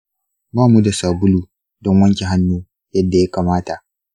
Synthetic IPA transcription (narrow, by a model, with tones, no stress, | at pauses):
baː˦mu˦da˨saː˨bʊ˦luː˨ | dɔ˦ŋwɐ˦ŋkʲi˨ɦa˦nːuː˦ | jɐ˦dːa˨ja˦kaː˨maː˦ta˨ʔ